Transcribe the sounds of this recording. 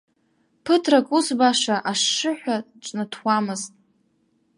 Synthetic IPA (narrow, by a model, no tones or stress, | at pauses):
pʰɨtʰrakʼusbaʂaʔaʂːɨħʷᶣa | ʈ͡ʂʷʼnɨtʰwamɨztʼ